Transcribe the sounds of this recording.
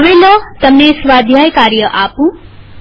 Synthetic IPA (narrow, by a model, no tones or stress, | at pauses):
bind̪ʌt̪ʌmneswad̪ʱjajkaɾjʌʔaːpu